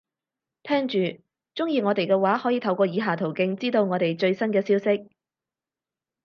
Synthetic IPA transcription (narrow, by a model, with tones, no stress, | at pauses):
t̪ʰɛː˥ŋt͡ʃyː˨ | t͡ʃʊ˥ŋjiː˨ŋɔː˨˧t̪e˨jkɛː˧waː˨˥hɔː˨˥jiː˨˧t̪ʰɐ˨wkʷɔː˧jiː˨˧ɦaː˨˩t̪ʰo˨˩wkɪ˧ŋt͡siː˥t̪o˧wŋɔː˨˧t̪e˨jt͡ʃɵ˧ɥsɐ˥nkɛː˧siː˥wsɪ˥k̚